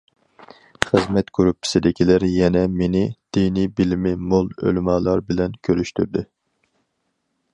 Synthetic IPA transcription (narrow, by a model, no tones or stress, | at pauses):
χɨzmɛt̪ɡ̥yɾupʰːɪ̥sɪd̪ɪkʲʰilæɾjɛnɛmenɪd̪̥inijbilmɪmolˠø̰lmɑːlˠɑɾbɪlɛnkʲʰøɾyʃt̪yɾd̪ɪ